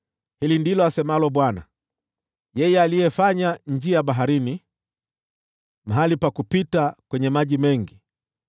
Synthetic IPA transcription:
hilindilɔasɛmalɔɓwana̰ | jɛjɛalijɛfaɲaɲd͡ʒiaɓaɦaɾini | maɦalipakupitakwɛɲɛmaʄimɛŋɡi

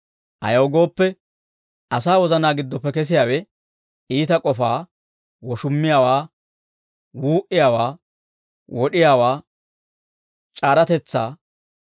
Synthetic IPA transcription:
ʔɐ̰jɐwɡo̞ːpːɛ | ʔɐsaːwɔzɐnaːɡɪd̪ːɔpːɛkɛs̬ɪjaːwɛ | iːt̪ɐkʼɔfaː | wɔʃʊmːɪjaːwaː | wuːʔɪjaːwaː | wɔɗɪjaːwaː | t͡ʃʼaːɾɐt̪ɛt͡sːaː

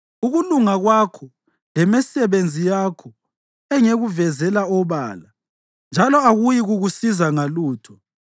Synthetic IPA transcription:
uɣuluŋaɣwakʰɔ | lɛmɛsɛβend͡zʱijakʰɔ | ɛŋeɣuvɛzɛlaɔβa̰ːla | nd͡ʒʱalɔaɣujiɣuɣusizaŋaluːtʰɔ

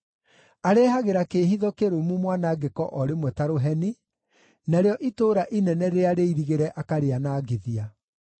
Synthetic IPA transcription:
aɾɛːɦaɣeɾakehiðɔkeɾomumwanaɡekɔʔɔɾemwɛtaɾoɦɛni | naɾeɔʔitoːɾaʔinɛnɛɾeaɾeiɾiɣeɾɛʔakaɾeanaːɡeðia

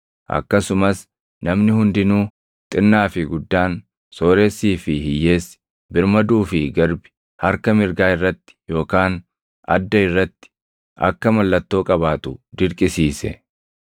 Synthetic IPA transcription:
ʔɐ̰kːɐsʊmɐs | nɐmnɪhʊnd̪ɪnuː | t̪ʼɪnːaːfɪɡʊd̪ːaːn | soːɾesːiːfɪhɪjːe̞ːs | bɪɾmɐd̪uːfɪɡɐɾbɪ̥ | hɐɾkɐmɪɾɡaːɪrːɐt̪ːɪ̥jo̞ːkaːn | ɐ̰d̪ːɐɪrːɐt̪ːɪ̥ | ʔɐ̰kːɐmɐlːɐt̪ːo̞ːkʼɐβaːt̪ʊd̪ɪɾkʼɪsiːsɛ̰

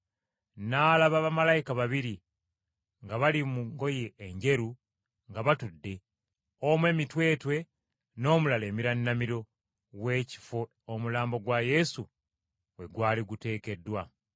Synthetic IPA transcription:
naːlaβaβamalajikaβaβiɾi | ŋɡaβalimuŋɡo̞je̞ːɲɟe̞ɾu | ŋɡaβatudːe̞ | omwe̞ːmitwe̞ːtwe̞ | no̞ːmulale̞ːmiɾanːamiɾo̞ | we̞ːci̥fo | omulaːmbo̞ɡwaje̞su | we̞ɡwaːliɡute̞ːke̞dːwa

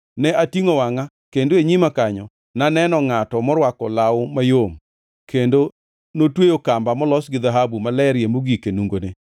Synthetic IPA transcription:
nɛʔatiŋowaŋa | kendoeɲimakaɲɔ | nanɛnɔŋatɔmɔɾwakɔlaʊmajom | kʰendo | notwejokambamɔlɔsɡɪðaɦabumalɛɾjemoɡikenuŋɡone

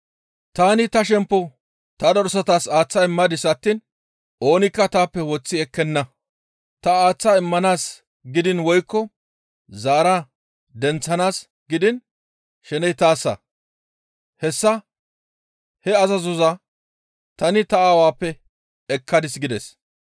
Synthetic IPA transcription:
t̪aːnɪt̪ɐʃ̬ɛmpːɔ | t̪ɐd̪ɔɾɔsɐt̪aːsaːt͡sːɐɪmːɐd̪ɪsɐt̪ːiːn | ʔo̞ːnɪkːɐt̪aːpːɛwɔt͡sːɪɛkːɛnːɐ | t̪ɐaːt͡sːaɪmːɐnaːs | ɡɪd̪ɪnwɔjkːɔ | zaːɾa | d̪ɛnt͡sːɐnaːs | ɡɪd̪ɪn | ʃɛnɛjt̪aːsːɐ̰ | hɛsːɐ | hɛɐzɐzɔzɐ | t̪ɐnɪt̪ɐaːwaːpːɛ | ɛkʰːɐd̪ɪsɡɪd̪ɛs

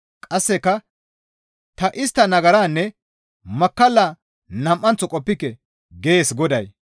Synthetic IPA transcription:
kʼɐsːɛkːɐ | t̪ɐʔɪst̪ːɐnɐɡɐɾaːnːɛ | mɐkːɐlːaː | nɐmʔːɐnt͡sːɔkʼɔpːɪkːɛ | ɡe̞ːsɡɔd̪ɐj

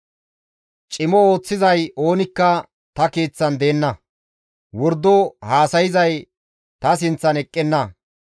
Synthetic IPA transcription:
t͡ʃʼɪmɔo̞ːt͡sːɪzɐjo̞ːnɪkːɐ | t̪ɐke̞ːt͡sːɐnd̪e̞ːnːɐ | wɔɾd̪ːɔhaːsɐjɪzɐj | t̪ɐs̬ɪnt͡sːɐnɛkʼːɛnːɐ

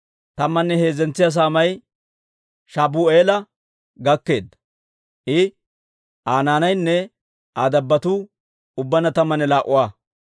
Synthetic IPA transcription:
t̪ɐmːɐnːɛhe̞ːzɛnt͡sːɪjɐs̬aːmɐj | ʃaːbuːeːlɐ | ɡɐkːe̞̰ːd̪ɐ | ʔɪ | ʔaːnaːnɐjnːɛ | ʔaːd̪ɐbːɐt̪uː | ʊbːɐnɐt̪ɐmːɐnɛlaːʔʊwaː

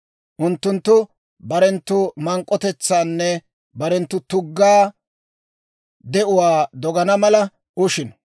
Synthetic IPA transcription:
ʔʊnt̪ːʊnt̪ːʊ | bɐɾɛnt̪ːʊmɐŋkʼːɔt̪ɛt͡sːaːnːɛ | bɐɾɛnt̪ːʊt̪ʊɡːaː | d̪ɛʔʊwaːd̪ɔɡɐnɐmɐlɐ | ʊʃɪn

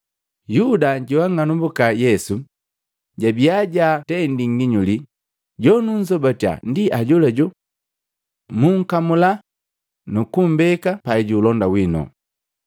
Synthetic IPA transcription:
judaɟiwaŋanumbukajɛsu | ɟabiaɟatɛndiŋɡiɲuli | ɟɔnuɲzɔbatia̰ndiʔaɟɔlɛɟɔ | muŋ̩kamula | nukum̩bɛkapaiɟulɔndawinɔ̰

